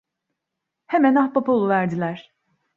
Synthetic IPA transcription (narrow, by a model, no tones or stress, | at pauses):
hemænahpapoolˠuvæɾd̪ilʲæɾ̥